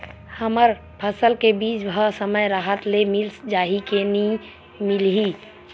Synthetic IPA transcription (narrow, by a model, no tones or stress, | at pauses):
həməɾ | pʰəsəlkebiːt͡ʃbʱəsəməjɾaɦət̪lemilsd͡ʒaːɦikeni | milɦi